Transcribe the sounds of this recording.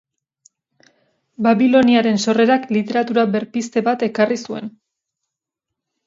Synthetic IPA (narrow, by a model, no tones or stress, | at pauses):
baβilo̞niaɾe̞nso̞re̞ɾaklit̪e̞ɾat̪uɾaβe̞ɾpist̪e̞βat̪e̞karisue̞̰n